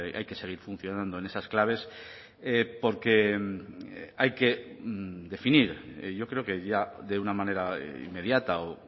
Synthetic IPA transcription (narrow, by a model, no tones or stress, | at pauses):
a̰jke̞se̞ɣ̞iɾfun̟θjo̞nãnd̪o̞e̞ne̞sasklaβ̞e̞s | epo̞ɾke̞ | ajke̞ | d̪e̞finiɾʝo̞kɾe̞oke̞ʝaðe̞unamãne̞ɾa̰ḭmːe̞ð̞jat̪ao